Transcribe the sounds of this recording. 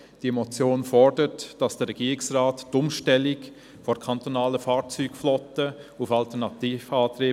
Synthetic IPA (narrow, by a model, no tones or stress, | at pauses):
d̥imɔt͡sjoːnfɔrdəɾtd̥ɑsd̥əɾɛɡiːɾɪksraːttʊmʃtɛlɪk | fɔɾkʰɑntonaːləfaːɾt͡syːɡflɔtəufɑltəɾnɑtiːfɑːtɾeː